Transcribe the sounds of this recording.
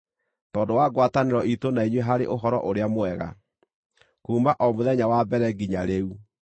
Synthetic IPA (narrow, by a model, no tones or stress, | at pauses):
tɔːdowaɡwataneɾɔʔitonaiɲweɦaɾḛʔoɦɔɾɔ̰ʔoɾeamoɛɣa̰ | kuːmaʔɔmoðɛɲawabɛɾɛɡiɲaɾeu